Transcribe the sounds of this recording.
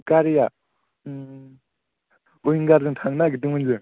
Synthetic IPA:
kaɾija | ujiŋɡaɾdɯŋtʰaŋnaɡit̬ɯŋɯnzɯ

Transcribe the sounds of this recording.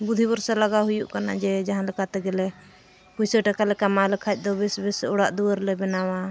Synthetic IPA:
bud̪ʱibɔɾsɛlaɡaɦujuʔkana̰d͡ʒɛd͡ʒaɦãlɛkat̪ɛɡɛlɛ | pujsəʈakalɛkamalɛkʰac̚ˀd̪ɔbɛsbɛsɔɽaʔd̪uwəɾlɛbɛnawa

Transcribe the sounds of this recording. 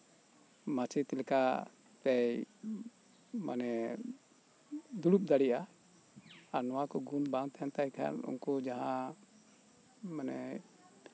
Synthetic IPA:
mat͡ʃɛt̪ɛlɛka | t̪ɛj | ma̰nɛ | d̪uɽup̚d̪aɽijʔa | aɾnɔwakɔɡunbãŋt̪ɛant̪ajkʰa̰lṵnkɔd͡ʒaɦã | manɛ

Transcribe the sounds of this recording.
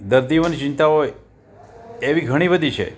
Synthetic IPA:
d̪əɾd̪ionit͡ʃint̪aɦoj | eʋiɡʱəɽ̃ibəd̪ʱit͡ʃʰḛ

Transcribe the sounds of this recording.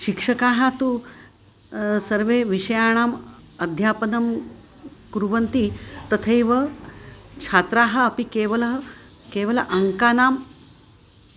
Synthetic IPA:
ʃikʂɐkaːɦat̪u | sɐɾʋeːʋiʂɐjaːɽ̃aːmɐd̪ʱjaːpɐnɐm | kuɾuʋɐnt̪it̪ɐt̪ʰɐjʋɐ | t͡ʃʰaːt̪ɾaːɦɐ̆ːpikeːʋɐlɐɦ | keːʋɐlɐʔɐŋkaːnaːm

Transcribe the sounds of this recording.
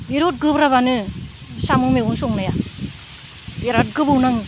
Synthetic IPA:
biɾot̚ɡɯbɾaβanɯ | samɯmeɡunsɔŋnaja | beɾat̚ɡɯbɯwnaŋ

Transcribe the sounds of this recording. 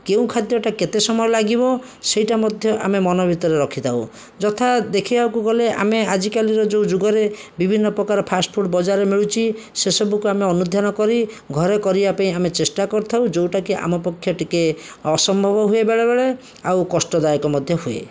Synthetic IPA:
keũkʰad̪jɔʈaket̪esɔmɔjɔlaɡibɔ | sejʈamɔd̪ʱjɔʔamemɔnɔbʱit̪ɔɾeɾɔkʰit̪ʰaṵ | d͡ʒɔt̪ʰad̪ekʰibawkuɡɔlea̰mead͡ʒikaliɾɔd͡ʒowd͡ʒuɡɔɾe | bibʱinːɔpɾɔkaɾɔpʰasʈpʰuʈbɔd͡ʒaɾemiɭut͡ʃʰi | sesɔbukuameɔnud̪ʱjanɔkɔɾi | ɡʱɔɾekɔɾibapaĩamet͡ʃesʈakɔɾt̪ʰawd͡ʒowʈakeʔa̰mɔpɔkʰːjɔʈikeɔsɔmbʱɔbɔɦuebeɭebeɭe | a̰wkɔsʈɔd̪ajɔkɔmɔd̪ʱjɔɦuḛ

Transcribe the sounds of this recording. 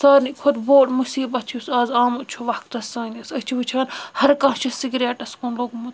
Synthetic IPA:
saːɾnikʰod̪boːʈmusiːbɐt͡ʃʰusaːzaːmut͡ʃʰuʋɐkt̪ɐsaːnʲɐsɐt͡ʃʰiʋɐt͡ʃʰaːnhɐɾkãːt͡ʃʰɐsiɡɾeːʈɐskonloːɡmut̪

